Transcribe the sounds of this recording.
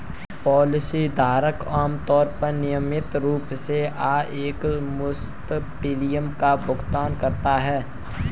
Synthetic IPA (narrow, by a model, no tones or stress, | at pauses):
pɔːlɪsid̪ʱaːɾəkaːmt̪ɔːɾpəɾnɪjəmɪt̪ɾuːpseʔaːeːkmʊs | t̪ʈiːlijəmkabʊɡt̪aːnkɐɾt̪aɦɛː